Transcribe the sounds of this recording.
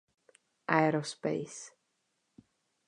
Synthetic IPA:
ʔaɛɾospḛjs

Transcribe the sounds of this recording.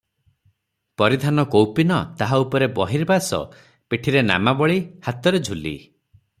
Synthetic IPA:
pɔɾid̪ʱanɔkowpinɔt̪aɦaupɔɾebɔɦiɾbasɔ̰ | piʈʰiɾena̰mabɔɭihat̪ɔɾed͡ʒʱulḭ

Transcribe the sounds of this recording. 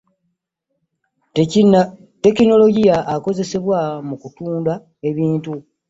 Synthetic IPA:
te̞kino̞lo̞ɟijaʔːko̞ze̞se̞βwamukutuːnda | e̞βiːntu

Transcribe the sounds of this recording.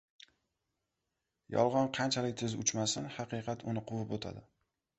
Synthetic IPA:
jɒ̰lˠʁɒnqʰɑnt͡ʃʰalɪk̚ʲt̪ʰɪzʊt͡ʃmasɪnhɑqɨqʰɑt̪ʰʊnɪqʰʊvɪpot̪ʰa̰d̪ɪ

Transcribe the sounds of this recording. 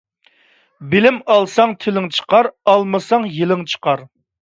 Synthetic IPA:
bɪlɪmɑlˠsɑŋt̪ʰɪlɪŋt͡ʃʰə̥qɑɾɑlˠmɨsɑŋjilɪŋt͡ʃʰə̥qʰɑɾ

